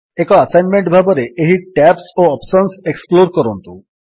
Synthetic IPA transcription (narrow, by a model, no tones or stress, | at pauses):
ekɔasajnmeɳʈbʱabɔɾeʔeɦiʈɛpsoɔpsɔnseksploɾkɔɾont̪ṵ